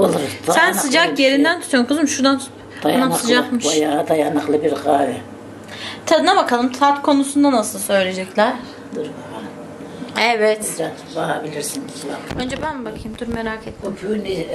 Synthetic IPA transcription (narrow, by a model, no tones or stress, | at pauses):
olˠuɾabænsɯd͡ʒakje̞ɾind̪ænt̪ʰu̥t̪onkʰɯzmʃuɾd̪an | d̪ajaanasɯɯd͡ʒakmɯʃvajaːd̪ajanaklˠɯbiɾɡaːɾi | t̪ʰanabakʰalˠɯmt̪ʰat̪kʰo̞nusund̪anasɯlˠsø̞jlʲe̞d͡ʒɛclʲæɾ̥ | d̪uɾbaan | ɛvɛt̪d͡ʒa | baɦabilʲiɾsinslaønd͡ʒɛbænbakʰɯjɯmd̪ʰuɾmeɾaːkʰet̪ukʰyni